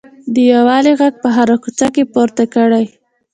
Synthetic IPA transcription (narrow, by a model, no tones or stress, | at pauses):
d̪əjawɑliɣaɡ̚pəɦaɾakut͡ʃakepoɾt̪akəɽaj